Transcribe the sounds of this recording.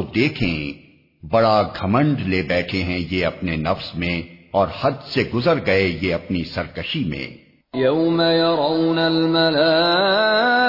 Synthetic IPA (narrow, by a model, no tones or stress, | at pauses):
od̪eːkʰẽ | bɐɽaɡʱɐmə̃ɳɖleːbɛːʈʰeɦɛ̃jeɐpnenɐfsmẽɔːɾhɐd̪seɡʊzəɾɡɐejeɐpnisɐɾkɐʃimḛ̃ː | jawmajɑɾˤawnalmalaː